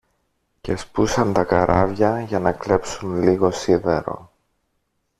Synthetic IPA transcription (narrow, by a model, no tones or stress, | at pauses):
ce̞spusɐnt̪ɐkɐɾʔɐvʝɐʝɐnɐkle̞psunliɣo̞sive̞ɾo̞̰